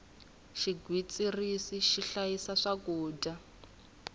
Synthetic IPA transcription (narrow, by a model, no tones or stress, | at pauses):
ʃiɡwit͡sʼirisiʃiɬajisaʂakuːda